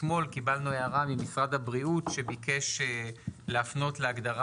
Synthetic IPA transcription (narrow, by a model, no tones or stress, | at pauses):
mo̞lkibalnueaʁamimisʁad̪habʁiutʃe̞bike̞ʃeleafno̞tleaɡdaʁa